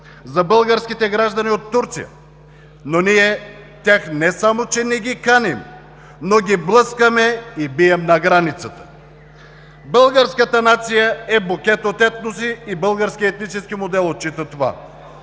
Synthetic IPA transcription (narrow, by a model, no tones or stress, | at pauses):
zɐbəlˠɡəɾskʲit̪ɛɡɾaʒd̪ɐniot̪ːuɾt̪sḭjə̰ | noniɛ | t̪ʲjaxnɛsamot͡ʃɛnɛɡʲikanim | noɡʲiblˠɤskəmɛibiɛmnɐɡɾanit̪sət̪ə̥ | bəlˠɡəɾskət̪ənat̪sijəɛbokʲɛt̪ot̪ɛt̪nosiːbəlˠɡəɾskʲiɛt̪nit͡ʃɛskimod̪ɛlˠot̪̚t͡ʃit̪ət̪ova̰